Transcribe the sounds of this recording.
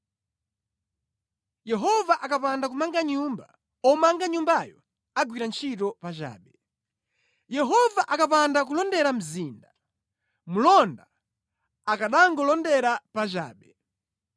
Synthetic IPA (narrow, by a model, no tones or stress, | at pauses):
jɛɦɔvaʔakapandakumaŋɡaɲumba | ɔmaŋɡaɲumbajɔ | aɡwiɾant͡ʃʰitɔpat͡ʃa̰ːɓɛ | jɛɦɔvaʔakap̬andak̬ulɔndɛɾam̩ziːnda | mulɔnda | akaɗaŋɡɔlɔndɛɾapat͡ʃa̰ːɓɛ